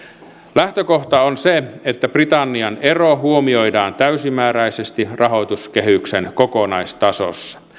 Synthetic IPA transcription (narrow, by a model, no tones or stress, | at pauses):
læht̪økoht̪ɑonseet̪ːæprit̪ɑnːiɑne̞roɦuomio̞jdɑːnt̪æysimæːɾæijsest̪irʔɑɦo̞jt̪uskeɦhyksenkokonɑjst̪ɑso̰sːɑ̥